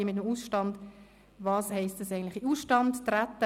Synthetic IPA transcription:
ɪmɪt̪̬əmusʃtɑnd | vɑːshɛɪstdɑsæɪən̩tlɪχiusʃtɑndtɾat̪ːə

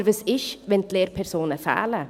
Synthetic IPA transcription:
ɾvəsɪʃvɛnt̪ʰleːɾpʰɛɾsoːnəfa̰ːlə

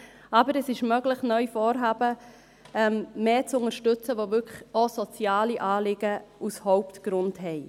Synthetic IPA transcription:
ɑbəɾɛsɪʃmœɡləχnœʏfɔːɾɦɑːbə | ɛmmeːt͡sʊŋəɾʃtʏt͡səʋovʏkχosɔt͡sjɑːliʔɑːlɪɡ̥əushɔʊptɡ̥ɾʊndhɛɪ

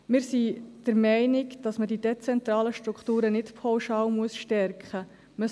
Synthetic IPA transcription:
mɪːɾsid̥əɾmɛɪnɪkd̥ɑsmədidɛt͡sɛnt̪ɾɑːləʃtɾukχtuːɾənɪtpʰɔwʃɑːwmuəsʃtɛɾkχə | mə

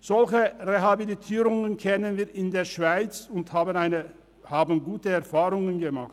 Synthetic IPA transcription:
z̥ɔlçəʁeɦabilitʰiːʁʊŋənkʰɛnənviːɐʔɪndeːɐʃv̥aɪt͡sʊnthaːbənaɪnə | haːbn̩ɡuːtəɛɐfaːʁʊŋənɡəmaχt

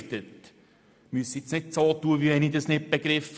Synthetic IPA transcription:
tət | myəsit͡snɪt̚t͡soːtuːəʋiɛnidəsnɪt̚b̥eɡ̥ɾɪf

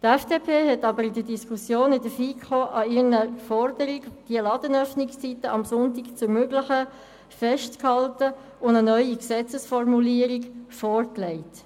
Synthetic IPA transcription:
tɛfd̥epʰeːɦɛtɑbəɾɪd̥ədiskʰusjoːnɪdəfiːkχoːʔɑɪnəfɔrd̥əɾikd̥iəlɑd̥̪ənœfnɪkst͡sitəʔɑmsʊntɪkt͡sʊɾmøɡlɪχə | fɛʃtkhɑltə | ʊndənœʏiksɛt͡səsfɔrmuliəɾiɡfɔrklɛɪt

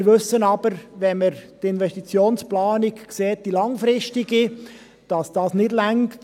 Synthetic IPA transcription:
ɾʋʏsənɑb̥əɾvɛnməɾd̥iɪnvɛstit͡sjoːnsplɑːnɪkkseːt̚d̥ilɑŋfɾɪstɪɡi | d̥ɑsd̥ɑːsnɪdlæŋkkt

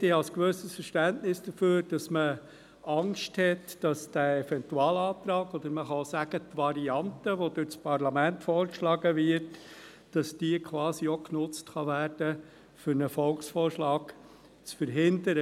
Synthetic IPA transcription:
eɑlskʋøːsəsfəɾʃtæntnɪsd̥əføːɾd̥ɑsmə | ɑŋʃthɛtd̥ɑsd̥æɛvɛntuɑːlɑːt̪ɾɑːɡɔd̪əɾməχɑosæɡ̥ətʋɑɾiɑntəʋodʏt͡spʰɑɾlɑmæntfɔːɾkʃlɑːɡəvɪɾt | d̥ɑsd̥iəkʰʋɑːsioknʊt͡stχɑvæːɾd̥ə | fʏɾnəfɔlksfɔːɾʃlɑːɡ̥ | t͡sfəɾɦɪndəɾə

